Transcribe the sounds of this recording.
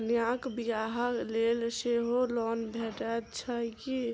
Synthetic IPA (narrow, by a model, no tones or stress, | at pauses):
njãkbijaɦəklelseɦolɔːnbʱeʈət̪t͡ʃʰəki